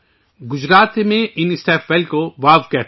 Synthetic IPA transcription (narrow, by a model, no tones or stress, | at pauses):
ɡʊd͡ʒɾaːt̪emẽʔɪnɪsʈɛːfʋɛlkoʋaːʋkɛ